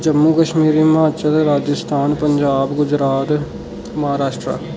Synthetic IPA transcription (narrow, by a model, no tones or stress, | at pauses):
d͡ʒəmːukəʃmiːɾimaːʃəɾɾaːd͡ʒəst̪ʰaːnpəɲd͡ʒaːbɡʊd͡ʒɾaːt̪ | mɐɦaːɾaːʃʈɾa̰ː